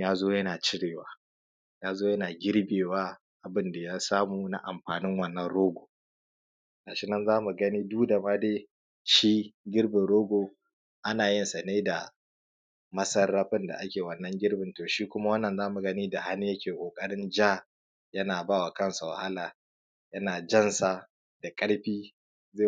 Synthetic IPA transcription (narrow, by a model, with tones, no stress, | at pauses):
jaː˦zoː˦jɐ˦naː˨t͡ʃɪ˦ɽeː˨waː˦ | jaː˦zoː˦jɐ˦naː˨ɡʲɪ˦ɽbeː˨waː˦ | ʔa˨bɪ˦nda˨jaː˦saː˦muː˨na̰˦ʔa̰˨mɸaː˨nɪ˦ŋwɐ˦nːɐ˦nɽoː˦ɡʷoː˨ | naː˨ʃɪ˦nɐ˦nzaː˦mu˨ɡɐ˦niː˦duː˦da˨ma˦deː˦ | ʃiː˦ɡʲɪ˦ɽbɪ˨ɽoː˦ɡʷoː˨ | ʔa˦naː˨jɪ˦nsɐ˨neː˦da˨ | mɐ˦sɐ˦rːɐ˦ɸɪ˦nda̰˨ʔa˦kʲeː˨wɐ˨nːɐ˦ŋɡʲɪ˦ɽbɪ˨ntoː˨ʃiː˦kʷʊ˦ma˦wɐ˦nːɐ˨nzaː˦mu˨ɡɐ˦niː˦da˨ha˦nːi˦jɐ˦kʲeː˨kʷʼoː˨kʼɐ˦ɽɪ˦nd͡ʒaː˦ | jɐ˦naː˨baː˦˨wa˨kɐ˦nsa˨wɐ̰˨ha˦laː˨ | jɐ˦naː˨d͡ʒɐ˦nsa˨ | d̥a˨kʼɐ˦ɽɸiː˦ | zeː˦˨